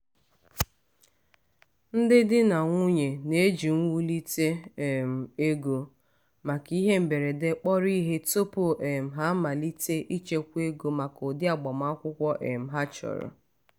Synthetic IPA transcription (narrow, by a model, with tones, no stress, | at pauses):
n̩˦dɪ˦dɪ˦na˨ŋʷu˦ɲe˨ne˦d͡ʒi˨ŋ̩˦wu˦li˦te˦˨m̩˨e˦ɡo˨ | ma˨ki˦ɦe˦m̩˨be˨ɾe˨de˦k͡pɔ˦ɾi˦ɦe˦to˦po˨ʔe˨m̩˨ɦa˨˦ma˨li˦te˦ʔi˦t͡ʃe˦kʷe˦ɡo˨ma˨ko˨dɪ˦a˨ɡ͡bɔ˨ma˦kʷʊ˦kʷɔ˦ʔḛ˨m̩˨ɦa˦t͡ʃɔ̰˨ɾɔ̰˨